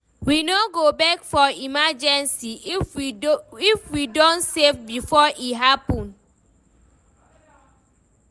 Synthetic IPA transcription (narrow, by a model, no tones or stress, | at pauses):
winoɡobɛkfɔimad͡ʒɛ̃nsi | ifwidɔ̃ntsevbifɔʔitɦapɔ̃n